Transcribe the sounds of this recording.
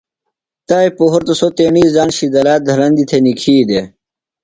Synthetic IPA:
t̪aːjpoɦoɾt̪osot̪eːɳiːzaːnɕid̪ɐlaːt̪̚d̪ʱɐlɐnd̪it̪ʰenikʰiːd̪e

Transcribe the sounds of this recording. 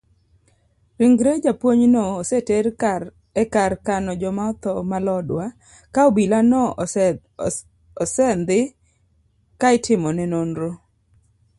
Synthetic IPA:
ɾiŋɡɾed͡ʒapwoɲnoːseteɾ | ɛkaɾkanɔd͡ʒɔmaɔt̪ɔmalɔdwa | kaobilanɔ | ɔsɛnd̪ɪ | kaɪtʰɪmɔnɛnonɾo

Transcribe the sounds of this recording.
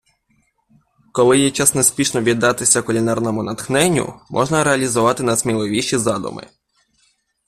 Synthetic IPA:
kɔlˠɪjɛt͡ʃɛsnɔspʲiʃnɔʋʲid̪ːɑt̪ɪsʲɐkʊlʲinɑrnɔmʊnɐt̪xnɛnʲːʊ̰mʔɔ̰ʒnɐɾeɐlʲizʊʋɑt̪ɪnɐsmʲilˠɪʋʲiʃizɑd̪ʊ̰mɪ̰

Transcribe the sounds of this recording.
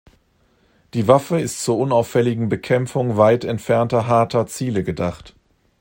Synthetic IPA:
d̥iːvafəɪstt͡suːɐʔʊnaʊfɛlɪɡŋ̩bəkʰɛmfʊŋvaɪtɛntfɛɐntɐɦaɐtɐt͡siːləɡədaχt

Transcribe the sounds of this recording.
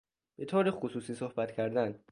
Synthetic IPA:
b̥e̞t̪ʰoːɾexusuːsiːsohbæt̪cʲʰæɾd̪æn

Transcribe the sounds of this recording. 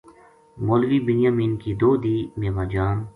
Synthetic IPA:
moːlʋiːbɪnjaːmiːnkid̪oːd̪iːmeːmaːd͡ʒaːn

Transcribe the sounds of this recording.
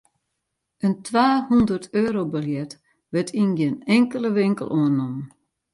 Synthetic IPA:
əntʰʋaːhundərtʰøːɾobəljɛt | ʋətʰinɡɪnɛŋkəlˠəʋɪŋkə̰lˠʔoənnɔm

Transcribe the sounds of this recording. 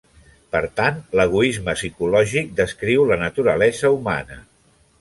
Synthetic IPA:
pəɾt̪ant̪ləɣ̞uizməsikulɔʒik̚d̪əskɾiwlənət̪uɾəlɛzəuma̰nə̰

